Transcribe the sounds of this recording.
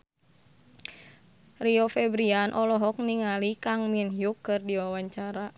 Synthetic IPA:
riɔfɛbɾianʔɔlɔɦɔk̚niŋalikaŋminɦjukːɨrdiwawaɲt͡ʃaɾa

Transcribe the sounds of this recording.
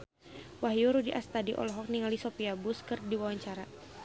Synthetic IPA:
waɦjuɾudiʔast̪adiʔɔ̰lɔɦɔk̚niŋalisɔpiabuskərdiwawaɲt͡ʃaɾa

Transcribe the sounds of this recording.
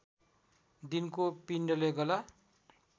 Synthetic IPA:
d̪inkopinɖʌleɡʌla

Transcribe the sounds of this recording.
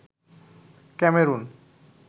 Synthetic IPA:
kɛmeɾun

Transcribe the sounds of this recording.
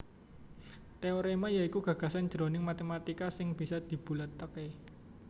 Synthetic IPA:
t̪eoɾemajaikuɡ̥ä̤ɡ̥a̤san̥d͡ʒ̥ɾo̤nɪŋmat̪emat̪ikasɪŋb̥i̤sad̪̥i̤b̥ṳlət̪ːəke

